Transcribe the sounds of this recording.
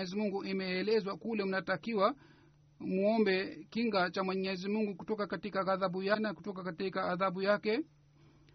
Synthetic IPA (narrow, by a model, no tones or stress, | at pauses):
ɛzimuŋɡuʔimɛːlɛzwakulɛm̩natakiwa | muɔmbɛkiŋɡat͡ʃamwɛɲɛzimuŋɡukutɔkakatikaɣaðaɓujanaku̥tɔkakatikaːðaɓujakɛ